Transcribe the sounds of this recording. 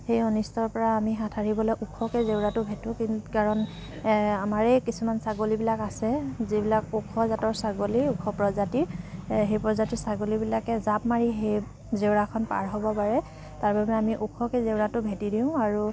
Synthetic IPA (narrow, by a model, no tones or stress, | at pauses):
hejɔnistɔɹpɔɹaːmiɦatʰaɹibɔlɔjʔukʰɔkɛzewɹatʊbʱetʊ̃kkaɹɔn | amaɹɛkisumansaɡolibilakasɛzibilakukʰɔzatɔɹsaɡoliukʰɔpɹɔzatiɹɦejpɹɔzatisaɡolibilakɛzap̚maɹiɦej | zewɹakʰɔnpa̰ɹɦɔbɔpaɹɛ | taɹbabɛamiʔukʰɔkɛzewɹatʊbʱetidiʊ̃aɹu